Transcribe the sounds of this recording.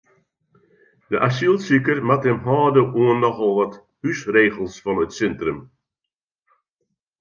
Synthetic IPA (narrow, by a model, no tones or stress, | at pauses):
dəʔasilˠsikərmathɛmɦɔːdəʔuənːɔxɔlˠʋɔt | hysreːɣəlˠsfɔnətsɛntrəm